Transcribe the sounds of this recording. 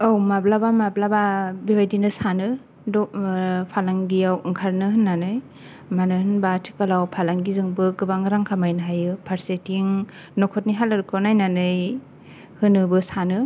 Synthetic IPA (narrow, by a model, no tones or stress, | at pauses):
awmablabamablababibajdinɯsanɯ | dɔpʰalaŋɡijawɯŋkʰaɾnɯɦɯnːanɯj | manɯhɯnbatʰi̥kalawpʰalaŋɡizɯŋbɯɡɯbaŋɾaŋkʰamajnɯɦajɯpʰaɾsetiŋ | nɔkʰɔt̚niɦalɯɾkʰɯnajnanɯj | hɯnɯbɯsanɯ